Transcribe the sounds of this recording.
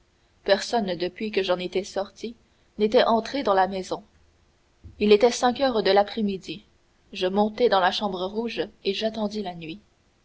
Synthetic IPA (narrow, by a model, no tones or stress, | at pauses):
pɛʁsɔnd̪əpɥikəʒɑ̃net̪ɛsɔʁt̪i | net̪ɛʔɑ̃t̪χed̪ɑ̃lamɛzɔ̃ | ilet̪ɛsɛ̃kœːʁd̪əlapχemid̪i | ʒəmɔ̃t̪ɛd̪ɑ̃laʃɑ̃bʁəʁuʒeʒat̪ɑ̃d̪ilanɥi